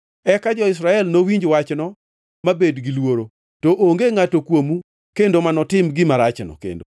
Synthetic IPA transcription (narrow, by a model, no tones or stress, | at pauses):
ɛkad͡ʒɔɪsɾaɛlnowiɲd͡ʒwat͡ʃnɔ | mabedɡɪlwoɾo | toʔoŋɡeŋatokwomu | kendomanɔtɪmɡɪmaɾat͡ʃnɔ̰kḛndo